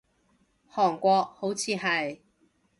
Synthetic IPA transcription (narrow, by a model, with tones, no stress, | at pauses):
hɔː˨˩ŋkʷɔː˧k̚ho˨˥wt͡sʰiː˨˧ɦɐ˨j